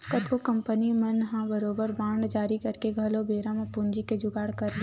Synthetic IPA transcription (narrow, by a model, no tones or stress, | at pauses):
kət̪kokɐ̃mpənimɐnɦãbəɾoːbəɾbaːɳd͡ʒaːɾikɐɾkeɡʱɐlobeːɾãmẽpund͡ʒiked͡ʒʊɡaːɽkəɾɡe